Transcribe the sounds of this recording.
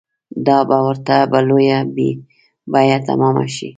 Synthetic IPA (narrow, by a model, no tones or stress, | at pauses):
d̪ɑbawəɾt̪abalojabe | bajat̪a̰mɑma̰ʃḭ